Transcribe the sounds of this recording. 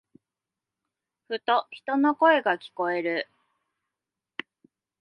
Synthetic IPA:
ɸɯ̟t̪o̞çi̥t̪o̞no̞ko̞e̞ɡakʲi̥ko̞e̞ɾɯ̟

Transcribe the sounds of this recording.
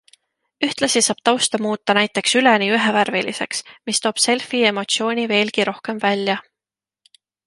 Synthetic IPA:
yht̪lɑsisɑːb̥̚t̪ɑwst̪ɑmuːt̪ˑːɑnæjt̪ːˑe̞ksyleniyɦeværvilise̞̰ksmist̪o̞ːb̥se̞lfie̞mo̞t̪sio̞ːnʲive̞ːlkiɾo̞hke̞mvælʲːjɑ

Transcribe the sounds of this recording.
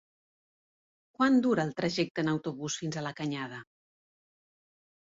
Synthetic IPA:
kwand̪uɾəːlˠt̪ɾəʒɛk̚t̪ənəwt̪uβusfinzələkəɲað̞ə

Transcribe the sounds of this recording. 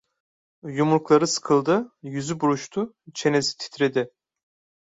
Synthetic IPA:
jumuɾklˠaɾɯsɯ̥kʰɯlˠd̪ɯjyzybuɾuʃt̪ʰu | t͡ʃʰe̞nezi̥t̪ʰi̥t̪ʰɾed̪ɪ

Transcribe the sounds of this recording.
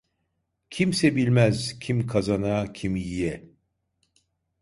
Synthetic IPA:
cʰimsɛbilʲmɛzcʰimkʰazanacʰimjijɛ

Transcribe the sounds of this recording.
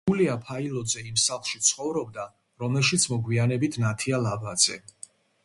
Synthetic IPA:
uliapʰailɔd̪zɛimsaχlˠʃit̪sʰχɔvɾɔb̚d̪a | ɾɔmɛlˠʃit̪sʰmɔɡwianɛbit̪ʰnat̪ʰialabad̪z̥ɛ̰

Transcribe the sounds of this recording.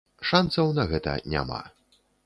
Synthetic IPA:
ʂansɐwnɐɣɛt̪ɐ̰nʲa̰ma̰

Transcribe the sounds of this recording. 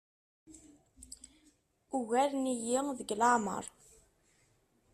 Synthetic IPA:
uɣæɾnijiðəɡlaʕmə̰ɾˤ

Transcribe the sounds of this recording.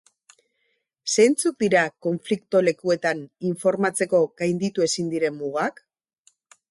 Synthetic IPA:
se̞nt͡suk̚d̪iɾako̞ɱflikt̪o̞le̞kue̞t̪aniɱfo̞ɾmat͡se̞ko̞ɣajnd̪it̪ue̞sind̪iɾe̞mːuɣak

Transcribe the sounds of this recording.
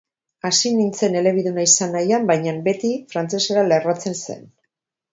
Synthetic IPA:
asinint͡se̞ne̞le̞βiðunaisanːajambajɲambe̞t̪ifɾant͡se̞seɾalerat͡se̞nse̞̰n

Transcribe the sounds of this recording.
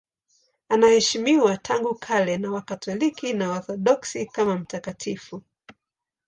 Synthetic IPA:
anahɛʃimiwatʰaŋɡukʰalɛnawakatɔlikinawaθɔɗɔksikamam̩takatʰifu

